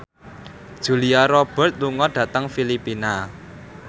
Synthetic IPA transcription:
d̥ʒ̥ṳliaɾɔb̥ɛ̤t̪̚luŋɔɖ̥ä̤t̪əŋfilipina

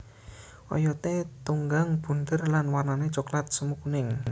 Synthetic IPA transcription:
ʔɔ̰jɔt̪et̪uŋɡaŋb̥ṳnd̪ərlanwarnanet͡ʃoklat̪̚səmukunɪŋ

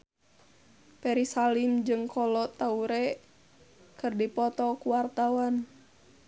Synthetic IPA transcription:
pɛɾisalimd͡ʒɨŋkʰɔlɔt̪auɾɛ | kɨrdipɔt̪ɔkuwart̪awan

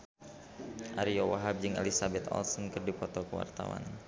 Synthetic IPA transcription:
ʔaɾiɔwaɦab̚d͡ʒɨŋɛ̰lisabɛt̪ɔ̰lsɔnkɨrdipɔt̪ɔkəwa̰rt̪awa̰n

